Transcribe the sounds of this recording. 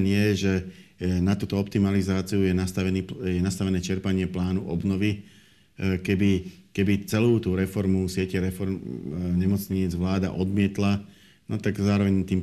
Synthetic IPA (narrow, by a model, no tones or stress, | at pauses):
nɪɛʒɛnat̪uːt̪ɔɔpt̪imalizaːt͡siujɛnast̪aʋɛniːjɛnast̪aʋɛnɛːt͡ʃɛɾpaɲɪɛplaːnuʔɔbnɔʋi | kɛbikɛbit͡sɛluːt̪uːɾɛfɔɾmusɪɛcɛɾɛfɔɾmɲɛmɔt͡sɲiːd͡zʋlaːd̪a̰ʔɔd̪mɪɛt̪la | nɔt̪aɡzaːɾɔʋɛɲt̪iːm